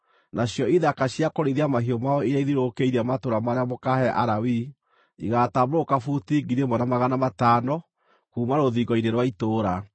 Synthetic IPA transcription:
nʔaɕjɔiðakaɕjakoɾiðiamaɦiɔmaɔiaiðiɾokeiɾamatoɾamaɾeamokahɛʔa̰ɾawi | iɣatabɾokafutiɡiɾemɔnamaɣanamataːnɔ | kuːmaɾoðiɡɔineɾwaitoːɾa

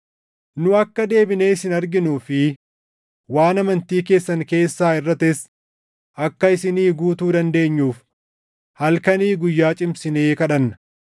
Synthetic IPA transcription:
nʊɐkːɐd̪e̞ːbɪne̞ːsɪnɐɾɡɪnuːfɪ | waːnɐmɐnt̪iːke̞ːsːɐnke̞ːsːaːɪrːɐt̪ɪs | ʔɐkːɐɪsɪniːɡuːt̪uːd̪ɐnd̪e̞ːɲːuːf | hɐlkɐniːɡʊjːaːt͡ʃʼɪmsɪne̞ːkɐᶑɐnːɐ̥

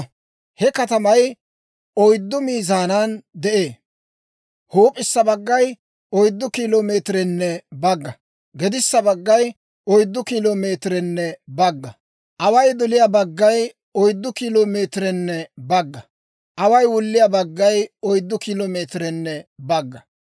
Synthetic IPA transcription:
hɛkɐt̪ɐmɐj | ɔjd̪ːʊmiːzaːnand̪ɛʔeː | hoːpʼɪsːɐbɐɡːɐj | ɔjd̪ːʊkiloːme̞ːt̪ɾɛnːɛbɐɡːɐ | ɡɛd̪ɪsːɐbɐɡːɐj | ɔjd̪ːʊkiloːme̞ːt̪ɾɛnːɛbɐɡːɐ | ʔɐwɐjd̪ɔlɪjabɐɡːɐj | ɔjd̪ːʊkiloːmeːt̪ɾɛnːɛbɐɡːɐ | ʔɐwɐjwʊlːɪjabɐɡːɐjɔjd̪ːʊkiloːmeːt̪ɾɛnːɛbɐɡːɐ

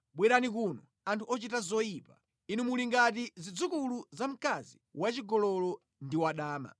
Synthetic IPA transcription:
ɓwɛɾanik̬unɔ | antʰuɔt͡ʃitazɔipa | inumuliŋɡat̬izid͡zukuluzam̩kaziwat͡ʃiɡɔlɔlɔ | ndiwaɗaːma̰

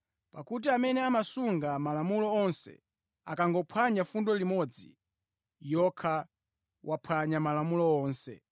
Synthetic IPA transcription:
pakut̬iamɛnɛamasuŋɡamalamulɔɔnsɛ̰ | akaŋɡɔpʰaɲafundɔlimɔd͡zḭ | jɔkʰa | wʔapʰaɲamalamulɔɔːnsɛ̰

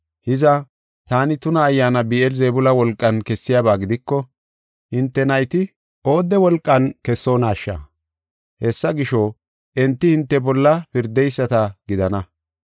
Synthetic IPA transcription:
hɪzɐ | t̪aːnɪt̪ʊnɐːjːaːnɐbiːʔɛlzeːbʊlɐwɔlkʼːɐnkɛsːɪjaːbaːɡɪd̪ɪkːɔ | hɪnt̪ːɛnɐjt̪ɪ | ʔo̞ːd̪ɛwɔlkʼːɐnkɛsːo̞ːnaːʃːɐ̰ | hɛsːɐɡɪʃo | ʔɛnt̪ːɪhɪnt̪ːɛbɔlːɐpɪɾd̪ɛjsːɐt̪ɐɡɪd̪ɐnɐ

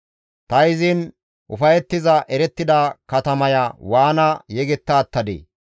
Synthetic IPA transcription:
t̪ɐɪzɪn | ʔʊfɐjɛt̪ːɪzɐʔɛɾɛt̪ːɪd̪ɐkɐt̪ɐmɐjɐwaːnɐjɛɡɛt̪ːaːt̪ːɐd̪ḛː

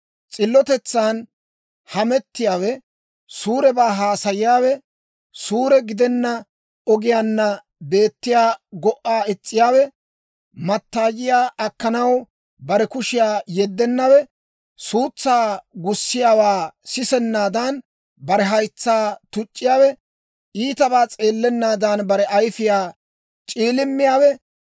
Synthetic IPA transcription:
t͡sʼɪlːɔt̪ɛt͡sːaːn | hɐmɛt̪ːɪjaːwɛ | suːɾɛbaːɦaːsɐjɪjaːwɛ | suːɾɛɡɪd̪ɛnːɐ | ɔɡɪjaːnːɐ | be̞ːt̪ːɪjaːɡɔʔːaːɪt͡sʼːɪjaːwɛ | mɐt̪ːaːjɪjaːʔɐkːɐnɐw | bɐɾɛkʊʃɪjaːjɛd̪ːɛnːɐwɛ | suːt͡sːaːɡʊsːɪjaːwaːsɪsɛnːaːd̪an | bɐɾɛɦɐjt͡sːaːt̪ʊt͡ʃʼːɪjaːwɛ | iːt̪ɐbaːt͡sʼeːlːɛnːaːd̪anbɐɾɛʔɐjfɪjaː | t͡ʃʼiːlɪmːɪjaːwɛ

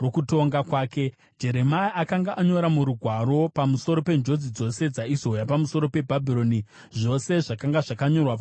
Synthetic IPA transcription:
rokuto̞ŋɡakwaːke̞ | d͡ʒe̞ɾe̞maiʔakaŋɡaʔaɲo̞ɾamuɾuɡʱwaɾo̞pamuso̞ɾo̞pe̞nd͡ʒo̞d͡zid͡zo̞se̞d͡zaizo̞japamuso̞ɾo̞pe̞bʱabʱiɾo̞ni | ʐo̞se̞ʐakaŋɡaʐakaɲo̞rwaa

